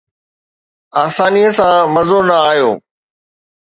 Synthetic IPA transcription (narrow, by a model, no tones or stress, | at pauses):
aːsaːniəsãmɐzonɐaːɦjo̰ː